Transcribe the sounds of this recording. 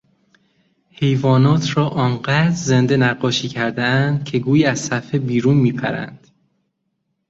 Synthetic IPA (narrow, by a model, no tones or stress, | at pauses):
he̞jvɒːnɒːt̪ʰɾɒːʔɒːnɢæd̪ɾzend̪enæɢːɒːʃiːcʰæɾd̪eænd̪̥̚cʰe̞ɡuːjiæzsæfhebiːɾuːnmiːpʰæ̰ɾæ̰nd̪̥